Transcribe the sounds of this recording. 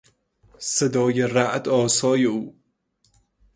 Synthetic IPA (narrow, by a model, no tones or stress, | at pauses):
sed̪ɒːjeræʔd̪ɒːsɒːjeuː